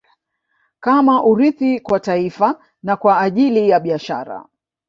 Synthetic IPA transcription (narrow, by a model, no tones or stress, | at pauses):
kamaʔuɾiθikwataifa | nakwaːʄilijaɓiaʃa̰ɾa̰